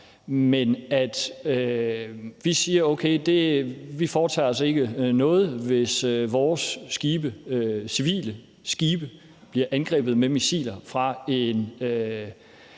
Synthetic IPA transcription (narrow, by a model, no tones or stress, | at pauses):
menæd̥ø | ʋisiːɐoʊkʰeɪd̥e̝ʋifɒːt͡sʰɛ̰ːɒ̽se̝ɡ̥ənɔ̽ːð̞̩ˠʋe̝søʋɒːsːɡ̥iːb̥əøsiʋḭːlə | sɡ̥iːb̥ə | b̥liɐʔænɡ̥ʁɛ̰ːb̥ð̩ˠmemisḭːlɐfʁɑ̈e̝nø